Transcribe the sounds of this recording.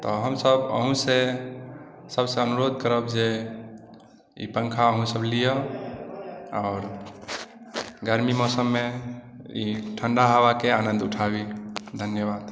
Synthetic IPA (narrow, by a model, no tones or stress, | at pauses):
t̪ɔɦəmsəbə̰ɦũse | səbseənuɾod̪̚kəɾəbd͡ʒe | ḭpəŋkʰaəɦũsəblijə | ɔʊɾ | ɡəɾmimɔsəmːe | ḭʈʰəɳɖaɦabakeanənd̪uʈʰabid̪ʱənjəbad̪